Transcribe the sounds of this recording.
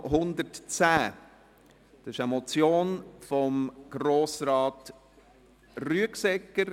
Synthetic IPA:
ɦʊnd̪əɾtt͡sæː | d̥ɑsɪʃəmɔt͡sjoːnfɔmɡ̥ɾoːsɾɑːt | ryəksɛkːəɾ

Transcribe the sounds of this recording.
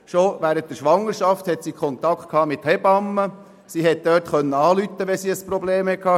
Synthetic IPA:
ʃoʋæːɾənt̚dəɾʃʋɑŋːəɾʃɑft̪hɛt̪sikχɔnt̪ɑktkʰhɑːmɪt̪hɛbɑmːə | siɦɛt̪̚d̥̪øːtχœnːəɑːlyt̪ːəʋɛsiəspɾɔbleːmhɛkʰhɑː

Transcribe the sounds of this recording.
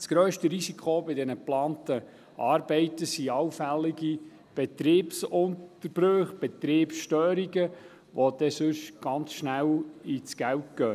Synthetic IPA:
sɡ̥ɾœːʃtəɾisikʰobɪdɛnəplɑːntə | ʔɑːɾbɛɪt̪əsiɑwfælːiɡi | b̥ɛt̪ɾiːpsʊntəɾb̥ɾøχb̥ɛt̪ɾeːpsʃtœːɾiɡə | ʋod̪̥ɛsɵʃɡ̥ɑnt͡sʃnælit͡sɡ̥æwtɡ̥œː

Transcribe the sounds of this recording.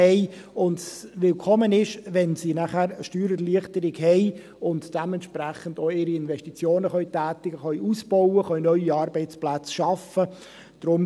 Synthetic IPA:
ɛɪ | ʊndsʋɪlkʰɔmənɪʃʋɛnsinæχæːɾʃtyːɾərliəχtəɾɪɡɦɛɪ | ʊntd̥ɛmɛntʃpɾæχəndoːɪɾiɪnvɛʃtit͡sjoːnəχœjtæːtɪɡ̥əχœɥusb̥ɔwəχœʏnœʏiɑːɾbɛɪt͡splæt͡sʃɑfə | d̥ɾʊm

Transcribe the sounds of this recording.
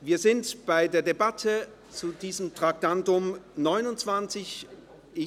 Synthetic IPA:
viːɐzɪntb̥aɪdeːɐdebatʰə | t͡sudiːzəmtʁ̥ak̚d̥antʊmnɔʏnʊnt͡sv̥ant͡sɪç | ʔɪ

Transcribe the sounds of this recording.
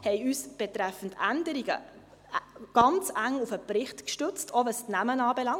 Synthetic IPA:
hɛɪyːsb̥ɛtɾæfən̩dændəɾiɡ̥ə̰ | ɡ̥ɑnt͡sæŋufəpɾɪχtkʃtɵt͡stʰovəstnæmənɑːbɛlɑŋ

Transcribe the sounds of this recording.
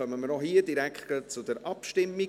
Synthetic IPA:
œmənməɾɔhiːəd̥iɾækχɡ̥ət͡sud̪əɾʔɑpʃtɪmːi

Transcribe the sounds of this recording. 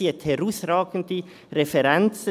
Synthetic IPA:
iəthɛɾusraːɡən̩di | ɾefɛɾɛnt͡s

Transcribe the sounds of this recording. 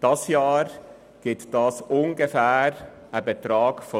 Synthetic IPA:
d̥ɑsjɑːɾ | ɡ̥ɪtd̥ɑːsʊŋɡəfæːɾ | əbet̪ɾɑːɡ̥fɔ

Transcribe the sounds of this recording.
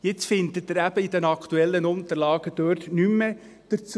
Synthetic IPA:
jɪt͡sfɪnt̪ətːəɾæb̥əid̥ɛnɑkʰt̪uɛlːənʊnt̪əɾlɑːɡ̥əd̥øːɾtnymːə | d̥əɾt͡s

